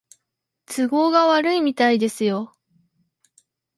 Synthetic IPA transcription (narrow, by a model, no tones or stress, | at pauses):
t͡sɨɡo̞ːɡaβaɾɯ̟imʲit̪aid̪e̞sɨjo